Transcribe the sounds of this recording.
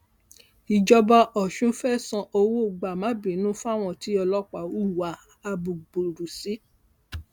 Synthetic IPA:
i˨d͡ʒɔ˧ba˧ʔɔ˨ʃũ˨˦fɛ˦˨sɔ̃˧ʔo˧wo˦˨ɡ͡ba˨mã˨˦bĩ˨˦nũ˦fa˦˨w̃ɔ̃˦˨ti˨˦ɔ˧lɔ˦k͡pa˨wu˦˨wa˨˦ | a˧bu˨ɡ͡bo˨ɾu˨si˦

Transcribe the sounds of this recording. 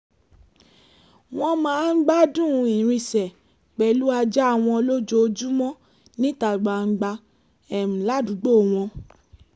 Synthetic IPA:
w̃ɔ̃˧mãː˨˦n̩˦ɡ͡ba˦dũ˦˨˧ĩ˨ɾ̃ĩ˧˨sɛ˨ | k͡pɛ˨lu˦a˧d͡ʒɛ˦a˦˧˨w̃ɔ̃˧lo˦d͡ʒo˧˦o˧d͡ʒu˦mɔ̃˦ | nĩ˦ta˨ɡ͡ba˨ŋ͡m̩˧ɡ͡ba˧ | ɛ˨m̩̃˨la˨˦du˨˦ɡ͡bo˦˨w̃ɔ̃˧

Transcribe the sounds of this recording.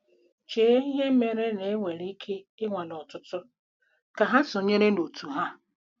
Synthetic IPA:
t͡ʃeː˨˦i˦ɦe˦m̩˦me˨ɾe˦ne˨e˦ŋʷe˨ɾi˦kʰe˦ | ɪ˦ŋʷa˨lɔ˨tʊ˦tʊ˦ | ka˨ɦa˦sʊ˨ɲe˦ɾe˦no˨tʰu˨ɦa˦

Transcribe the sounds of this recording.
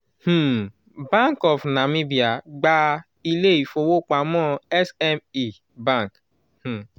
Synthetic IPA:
h̩˦˨ | bã˦ŋkɔ˨fna˨mĩ˦bi˨a˨ɡ͡ba˦ | i˦le˦i˨fo˨wo˦k͡pa˨˦mɔ̃˦ɛ˦sɛ˦mi˨ | bã˦˨ŋk | h̩˨

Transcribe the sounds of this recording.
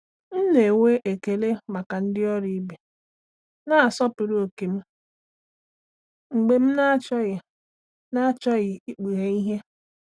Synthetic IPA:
n̩˦ne˨we˦ʔe˨ke˨le˦ma˨ka˨n̩˦dɪ˦ɔ˦ɾi˦be˨ | na˦a˨sɔ˦pʊ˨ɾo˨ke˨m̩˦ | ŋ͡m̩˨ɡ͡be˨m̩˦na˦t͡ʃɔ˦ɣ | na˦t͡ʃɔ˦ɣɪ˨i˦k͡pi˨ɾe˦i˦ɦe˦

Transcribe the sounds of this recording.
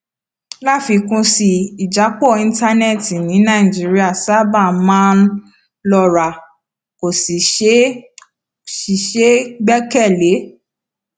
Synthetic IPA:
la˦˨fi˧kũ˧si˧i˨d͡ʒa˨˦k͡pɔ˦˨ĩ˧˦nta˧nɛ˦˨ti˨nĩ˨˦nã˦˨i˨d͡ʒi˨˦ɾi˦a˦˨sa˦ba˦˨mã˦n˦ | lɔ˧˨ɾa˨ | ko˨si˨˦ | ʃi˨ʃe˦ɡ͡bɛ˦kɛ˦˨le˨˦

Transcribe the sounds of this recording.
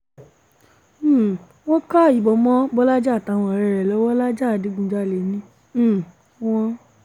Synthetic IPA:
w̃ɔ̃˦ka˦˨i˨bɔ˨˧mɔ̃˦bɔ˦la˦d͡ʒa˦˨ta˨˦˨w̃ɔ̃˧˨ɾɛ˧ɾɛ˨lɔ˨˦wɔ˦la˦d͡ʒa˦˨di˨˦ɡũ˧d͡ʒa˦˨le˨˦nĩ˦˨˦ | wɔ̃˦

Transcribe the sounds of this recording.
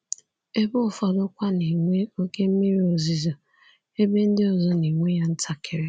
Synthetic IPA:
e˦bʊ˦ɔ˨fɔ˨dʊ˦kʷa˦ni˨ŋʷe˦o˦ke˦m̩˦mi˦ɾi˦o˨zi˨zo˨ | e˦be˦n̩˦dɪ˦ɔ˨zɔ˦ni˨ŋʷe˦ja˦n̩˦tʰa˦kʰɪ˨ɾe˦

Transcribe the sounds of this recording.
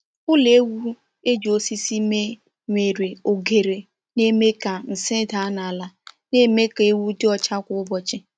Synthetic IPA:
ʊ˦le˦wu˦ | e˦d͡ʒo˨si˦si˦me˦ | ŋʷe˨ɾe˨o˨ɡe˨ɾe˨ | ne˦me˦ka˨n̩˨sɪ˦da˨˦na˨a˨la˨ne˦me˦ka˨e˦wu˦dɪ˦ɔ˨t͡ʃa˦kʷʊ˦ʊ˦bɔ˨t͡ʃɪ˦

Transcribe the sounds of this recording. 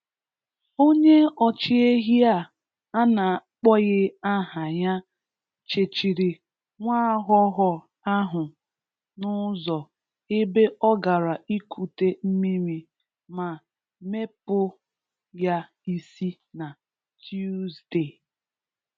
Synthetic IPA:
o˦ɲe˦ɔ˨t͡ʃi˦e˦ɦi˦a˦˨ | a˦na˨k͡pɔ˦ɣɪ˦a˦ɦa˨ɲa˦ | t͡ʃe˨t͡ʃi˨ɾi˨ | ŋʷaː˦ɦɔ˦ɦɔ˨ | a˦ɦʊ˨ | nʊ˦zɔ˨ | ɪ˦be˦ʔɔ˦ɡa˨ɾa˨i˦kʰu˨te˦m̩˦mi˦mi˦ | ma˨ | me˦pʊ˦ | ja˦ | i˦si˦ | na˨ | tʰju˦zde˦˨

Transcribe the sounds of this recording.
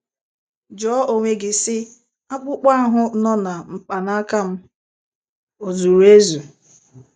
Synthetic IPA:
d͡ʒɔ˦o˨ŋʷe˨ɡɪ˨sɪ˦ | a˦k͡pʊ˦k͡pa˦a˦ɦʊ˦nɔ˦na˨ŋ͡m̩˨k͡pa˨na˦ka˦m̩˦ | o˨zu˨ɾu˨e˦zu˨

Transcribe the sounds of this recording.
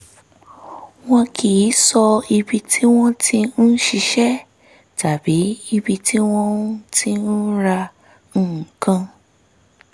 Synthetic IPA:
w̃ɔ̃˦kʰi˨˦sɔ˧i˧bi˧tʰi˦w̃ɔ̃˦tʰĩ˧n̩˦ʃi˧ʃɛ˦ | ta˨bi˨˦i˧bi˧tʰi˦w̃ɔ̃˦tĩ˧n̩˦ɾa˧ | ñ̩ː˦˨kã˧

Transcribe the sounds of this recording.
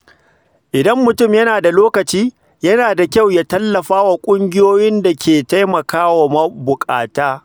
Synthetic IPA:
ʔɪ˨dɐ˦mːʊ˨tʊ˦˨mjɐ˦naː˨da˨loː˦kɐ˨t͡ʃiː˦ | jɐ˦naː˨da˨kʲɐ˦˨wjaː˦tɐ˦lːɐ˨ɸaː˦wa˨kʷʼʊ˦ŋɡʲɪ˦joː˦jɪ˦nda˨kʲʰeː˨ta˦jmɐ˨kaː˦wa˨mɐ˦bʊ˨kʼa̰ː˨taː˦

